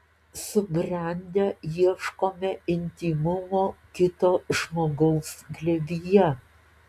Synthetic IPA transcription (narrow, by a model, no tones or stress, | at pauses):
sʊbʲɾʲɛnʲd̪ʲɛjiɛʃkoːmʲɛɪnʲt̪ʲiːmʊmoːkʲɪt̪oːʒmoːɡɐʊsɡlʲɛʋʲiːjɛ